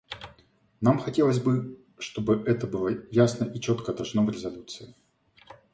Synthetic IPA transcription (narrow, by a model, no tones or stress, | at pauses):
namxɐtʲe̞lˠəsʲbɨ | ʂt̪o̞bɨʔɛt̪əbɨlˠəjasnəʔit͡ɕo̞t̪kəd̪ɐʐno̞vɾʲɪzɐlʲut̪sɨɪ